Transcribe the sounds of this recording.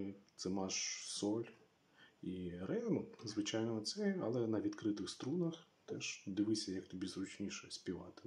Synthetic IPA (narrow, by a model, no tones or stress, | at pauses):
t̪sɛmɑʃsɔlʲ | irɛnʊzʋɪt͡ʃajnɔɔt̪sɛɐlˠɛnɐʋʲid̪kɾɪt̪ɪxst̪ɾunɐxt̪ɛʃd̪ɪʋɪsʲɐjɐkt̪ɔbʲizɾʊt͡ʃʲnʲiʃɛsʲpʲiʋɑ̰t̪ɪ̥